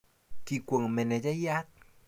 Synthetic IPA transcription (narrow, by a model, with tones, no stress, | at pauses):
t̪ʰi˧˩ku˧˩ə˨ŋmɛ˧ne˧d͡ʒa˦ja˦t̪̚